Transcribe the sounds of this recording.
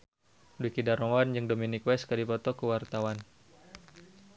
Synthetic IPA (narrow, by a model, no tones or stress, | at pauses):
duikidaɾowand͡ʒɨŋdominikwɛskadipɔt̪ɔkəwart̪awan